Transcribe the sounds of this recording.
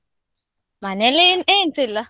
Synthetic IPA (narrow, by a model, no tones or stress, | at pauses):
manɛlɪnent͡sɪla